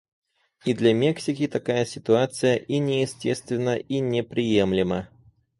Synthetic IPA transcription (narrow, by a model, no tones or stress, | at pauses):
id̪lʲɐmʲeksʲɪkʲɪt̪ɐkajəsʲɪ̥t̪ʊat̪sɨjəʔinʲɪjɪsʲtʲest̪vʲɪnːəinʲɪpɾʲɪjemlʲɪmə